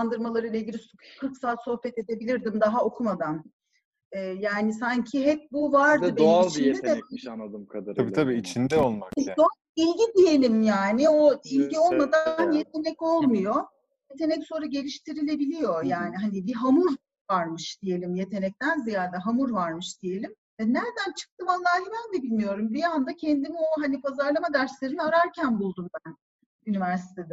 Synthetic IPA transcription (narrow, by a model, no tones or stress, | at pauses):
and̪ɯɾmalˠaɾɯilʲˠaiɟʲilʲikʰɯɾksaːt̪so̞hpɛt̪e̞d̪e̞bilʲiɾd̪imd̪aɦao̞kʰumad̪an | ɛːjaːnisaɲcʰiɦɛp̚buvaɾd̪ɯbenit͡ʃʰnd̪ɛe | abiːt̪ʰabiːit͡ʃʰind̪ɛolˠmao | ilʲɟid̪ije̞lʲimjaːnɪoilʲɟio̞lˠmad̪anje̞t̪̚ʰe̞nɛco̞lˠmujo | je̞t̪ʰe̞nɛcso̞nɾaɟe̞lʲiʃt̪ʰiɾilʲe̞bilʲijo̞jaːniɦanibiɦamuɾ | vaɾmɯʃd̪̥ije̞lʲimje̞t̪ʰe̞nɛc̚t̪ænzijaːd̪ɛɦamuɾvaɾmɯʃd̪̥ije̞lʲim | ɛnæɾd̪ænt͡ʃʰɯ̥k̚t̪ʰɯmalːˠaːɦibænd̪ɛbilʲmijo̞ɾumbiand̪acʰend̪imioɦanipʰazaɾlˠamad̪aɾʃlʲeɾimaɾaɾcʰænbulˠd̪unbæn | ynivæɾsi̥t̪ʰe̞d̪ɛ